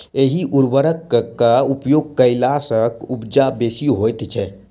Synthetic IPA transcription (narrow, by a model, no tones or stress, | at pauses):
eɦiʔuɾbəɾəkkːaupjoɡ̚kəɪlasəkubd͡ʒabesiɦojt̪t͡ʃʰɛ